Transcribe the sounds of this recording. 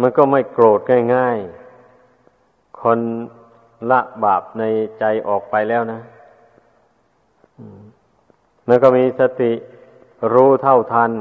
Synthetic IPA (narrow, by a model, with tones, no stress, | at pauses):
ma˧˥nkɔː˧˩ma˥˩jkloː˨˩t̪̚ŋaː˧˥˩jŋaː˥˩j | kʰɔ˧n | la˧˥ʔbaː˨˩p̚na˧jt͡ɕa˧jʔɔː˨˩k̚pa˧jlɛː˥˩˨wna˦˥˨ | ʔɯː˧˩ | ma˧˥˨nkɔː˧˥˩miː˧sa˧t̪i˨˩ | ɾuː˦˧˥t̪ʰa˧˥˩wt̪ʰaː˧˨n